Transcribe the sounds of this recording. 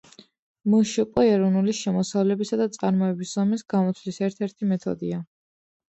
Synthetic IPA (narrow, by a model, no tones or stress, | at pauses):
muʃiqʼɔɛɾɔnuliʃɛmɔsavlɛbisad̪at̪sʼaɾmɔɛbiszɔmisɡamɔt̪sʰvlisɛɾt̪ʰɛɾt̪ʰimɛt̪ʰɔ̰d̪ia